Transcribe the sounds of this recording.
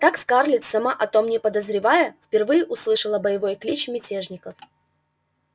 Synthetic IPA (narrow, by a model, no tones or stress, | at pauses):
t̪akskarlʲɪt̪sɐmaʔɐt̪o̞mnʲɪpəd̪əzɾʲɪvajəfpʲɪrvɨjɪʔʊslˠɨʂəlˠəbəjɪvo̞jklʲit͡ɕmʲɪtʲeʐnʲɪkəf